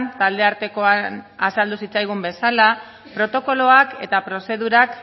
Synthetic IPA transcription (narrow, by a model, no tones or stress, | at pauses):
nt̪ald̪e̞aɾt̪e̞ko̞anasald̪usit͡sajɣ̞umbe̞sala | pɾo̞t̪o̞ko̞lo̞ake̞̰t̪apɾo̞se̞ðuɾak